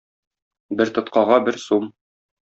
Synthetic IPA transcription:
bɘɾt̪ɤ̆t̪qɑʁɑbɘɾsum

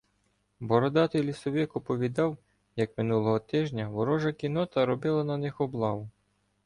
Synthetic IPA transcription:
bɔɾɔd̪ɑt̪ɔjlʲisɔʋʲɪkɔpɔʋʲid̪ɑw | jɐkmɪnulˠɔɦɔt̪ɪʒnʲɐʋɔɾɔʒɐkʲinɔt̪ɐɾɔbɪlˠɐnɐnɪxɔblˠɑʋʊ

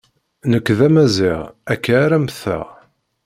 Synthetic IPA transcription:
nəkːðæmæziʁækːaːɾæmθæ̰

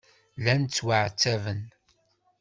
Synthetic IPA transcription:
lænt͡sːwaʕt͡sːævən

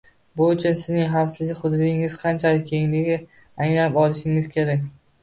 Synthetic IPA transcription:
bʊʊt͡ʃʰʊnsɪznɪŋɦɑfsɪzlɪkʲχʊd̪ʊd̪ɪŋɪz̥qʰɑnt͡ʃʰalɪkʲʰeŋlɪɡʲɪ | aŋnaɪpɒlˠɪʃɪŋɪz̥kʲʰe̞ɾakʲ

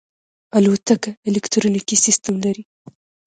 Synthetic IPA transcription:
alwat̪akaelɛkt̪ɾonikisist̪amlaɾi

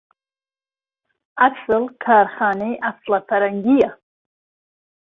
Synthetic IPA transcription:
at͡sʰɨlkʰaːrχaːneʔaslafʰaɾaŋɡʲija

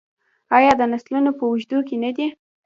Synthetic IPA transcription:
ɑjɑd̪ənaslunopəuʒd̪ukenad̪i

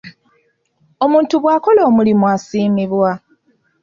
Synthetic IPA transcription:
o̞muːntuβwaːko̞lo̞ːmulimwasiːmiβwa

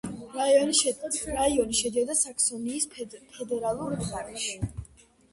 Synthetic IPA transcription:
ɾaiɔniʃɛɾaiɔniʃɛd̪iɔd̪asaksɔniːspʰɛd̪ɛɾalˠuɾaɾɛʃi

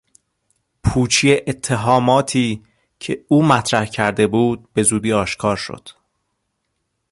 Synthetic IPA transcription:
pʰuːt͡ʃʰijeʔet̪ʰːe̞ɦɒːmɒːt̪ʰiː | cʰe̞uːmæt̪ʰɾæhcʰæɾd̪e̞buːd̪̥̚be̞zuːd̪iːɒːʃkʰɒːɾʃo̞̰d̪̥

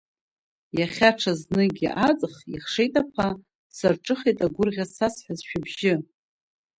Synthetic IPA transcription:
jaχʲaʈ͡ʂʰaznɨɡʲiʔat͡sʼχiχʂejtʼapʰa | sarʈ͡ʂʼɨχejtʼaɡʷʊrʁʲasasħʷazʃᶣabʒɪ

